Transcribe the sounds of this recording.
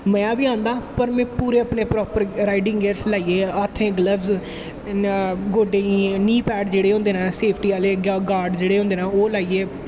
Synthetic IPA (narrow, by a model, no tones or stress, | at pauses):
mɛ̃ːaːbiːãːnd̪aːpəɾmɛ̃ːpuːɾeːəpɳeːpɾɔːpəɾɾaːɪɖɪ̃ŋɡɡeːɾslaːieːat̪ʰːẽːɡləbz | ɡoːɖeːiːniːpɛːʈd͡ʒeːɽeːõnd̪eːnãːseːpʰʈiːaːleːɡaːɾɖd͡ʒeːɽeːɦõnd̪eːnãːoːlaːieː